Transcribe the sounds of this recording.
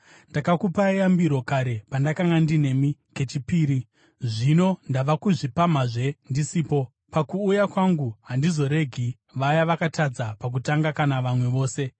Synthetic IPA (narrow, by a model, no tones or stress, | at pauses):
ndakakupaejambiɾo̞kaɾe̞pandakaŋɡandine̞mike̞t͡ʃipiːɾi | ʐino̞ndaʋakuʐipamaʐe̞ndisiːpo̞ | pakuːjakwaŋɡuɦandizo̞ɾe̞ɡʱi | ʋajaʋakatad͡zapak̬utaŋɡakanaʋamwe̞ʋo̞ːse̞